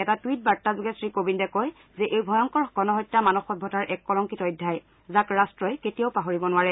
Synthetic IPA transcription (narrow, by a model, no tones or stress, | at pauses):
ɛtatwit̚baɹtːazʊɡɛsɹikobindɛkɔj | zɛʔejbʱɔjɔŋkɔɹɡɔnɔɦɔjtːamanɔxɔbʱɔtaɹʔɛkːɔlɔŋkitɔjdʱːaj | zakɹastɹɔjketijaʊpaɦoɹibɔnʊwaɹɛ